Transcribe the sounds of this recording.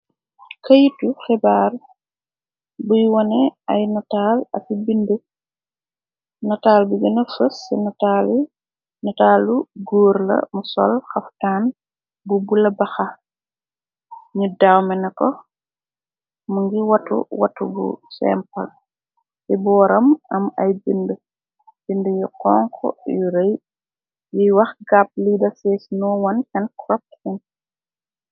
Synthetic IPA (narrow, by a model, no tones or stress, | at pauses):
kɐjitːufɛbaːl | bujwɔnɛajnataːlɐ̰fibində | nɐtaːlbuɡɐnɐfəsːɛnatali | nataːluɡuːɾlɐ̰musɔ̰lxaftaːn | bubulɐbaxa | ɲudawmɛnɐkɔ | muŋɡiwɐtːṵwɐ̰tːubṵsɛ̰mpɐ̰l | tibɔːɾɐmɐmɐjbində | bindəjiqɔ̰ːŋkʰɔ̰juɾej | jijwɐxɡap̚lidɐsɛːsnɔːwɐnkɐnkrɔp̚in